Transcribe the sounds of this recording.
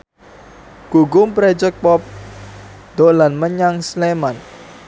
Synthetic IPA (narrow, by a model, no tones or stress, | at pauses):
ɡ̥uɡʊmpɾɛd͡ʒɛk̚pɔp̚ | d̪̥olanməɲaŋsleman